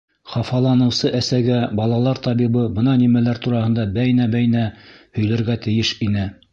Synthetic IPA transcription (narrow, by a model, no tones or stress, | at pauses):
χɑfɑlˠɑnɤ̆wsɤʔæsæɡæbɑlˠɑlˠɑɾt̪ɑβiβɤbɤnɑnimælæɾt̪uɾɑhɤ̆nd̪ɑbæjnæbæjnæhɵ̆jlɘ̆ɾɡæt̪ɘ̆jɘʃinɘ